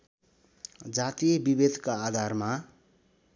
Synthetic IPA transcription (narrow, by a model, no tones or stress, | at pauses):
d͡zat̪ijbibed̪ʱkaːd̪ʱarma